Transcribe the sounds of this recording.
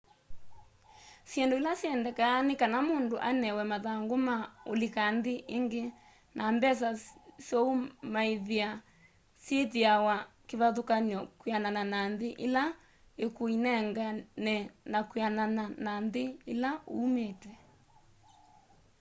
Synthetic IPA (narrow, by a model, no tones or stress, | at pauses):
sjɛndoelasjɛndɛkanekanamondoʔa̰nɛwɛmaðaŋɡomao̰lekanðeʔeŋɡe | nʔambɛs̬asjɔumaeðia | sjetiawakeβaðokaɲɔkwiananananðeʔela | ekoinɛŋɡanɛnakwiananananðeːlaoumetwɛ